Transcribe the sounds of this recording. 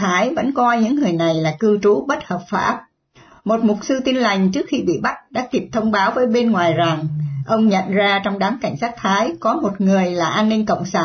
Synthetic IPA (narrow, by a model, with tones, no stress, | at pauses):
aː˨˦jvə̰˧˥nkwa˧jɲɨ̰˧˥ŋːɨ˨˩əjna˨˩jlaː˨˩kɨ˧t͡ɕu˨˦ɓə˦˥t̚həː˨˩p̚faː˧˥˩p̚ | mo˨˩t̚mʊ˨˩t̚sɨ˧t̪i˧nla˨˩jŋ̟t͡ɕɨ˦˥ək̚xi˧ɓḭ˧˨ɓa˦˥t̚ɗa̰ː˧˥ki˦˩əp̚t̪ʰə˧wŋ͡mɓaː˨˦wvəː˨˦jɓe˧nŋwaː˨˩jza˨˩ŋʔə˧wŋ͡mɲə̰˧˨nzaː˧t͡ɕɔ˧wŋ͡mɗaː˨˦ŋka˧˩jŋ̟saː˦˥t̚t̪ʰaː˨˦jkɔ˨˦mo˨˩t̚ŋɨ˨˩əjlaː˨˩ʔaː˧nːï˧ŋ̟kə̰˧˨wŋ͡msaː˧˩n